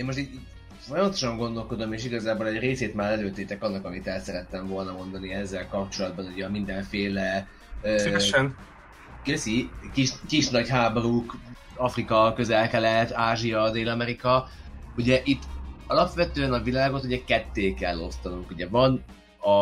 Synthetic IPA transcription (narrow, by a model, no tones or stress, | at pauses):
eːnmoʃ̬t̪it̪it | fo̞jɒmɒt̪o̞ʃɒŋɡo̞nd̪o̞lko̞d̪o̞meːʃ̬iɡɒzaːbolɛɟreːseːt̪maːɾɛløːt̪eːt̪ɛkɒnːɒkɒmit̪ɛlsɛɾɛt̪ːɛɱvo̞lnɒmo̞nd̪ɒniɛzːɛlkɒp̚t͡ʃo̞lɒd̪̚bɒnuɟɛɒmind̪ɛɱfeːlɛ | øː | køsikiʃkiʃnɒɟɦaːbo̞ɾuk | ɒfrikɒkø̞zɛlkɛlɛt̪aːʒiɒd̪eːlɒmɛɾikɒ | uɟɛʔit̪ːɒlɒpʋɛt̪øːɛnɒvilaːɡo̞t̪uɟɛkɛt̪ːeːkɛlːo̞st̪ɒnuŋkuɟɛvɒn | ɒ